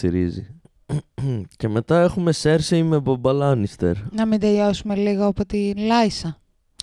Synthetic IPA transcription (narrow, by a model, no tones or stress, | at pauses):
iɾizḭ | ce̞me̞t̪ɐe̞xume̞se̞ɾsiimebobɐlɐnist̪ḛɾnɐmind̪eʎosume̞liɣoɐpot̪inlɐisɐ